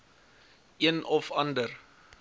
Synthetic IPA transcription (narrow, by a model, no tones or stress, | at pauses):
ʔiənɔfɐndər